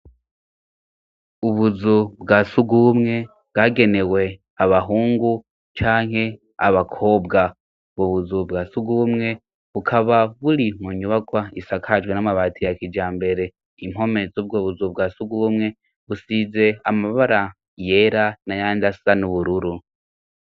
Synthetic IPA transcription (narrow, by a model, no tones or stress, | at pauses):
uβuzubɡaːsuɡumŋe̞ | bɡaɡe̞ne̞we̞ | aβaɦuːŋɡu | t͡ʃaːŋhe̞ | aβakʰo̞ːbɡa | βuβuzubɡasuɡumŋe̞ | βukʰaβaβuɾimuɲuβakwaisakʰad͡ʒɡwenamaβaːtʰijakid͡ʒaːmbe̞ɾe̞ | im̥ɦo̞me̞zobɡoːβuzub̚ɡaːsuɡumŋe̞ | βusize̞amaβaɾa | jeɾanajaːndasanuβuɾuɾu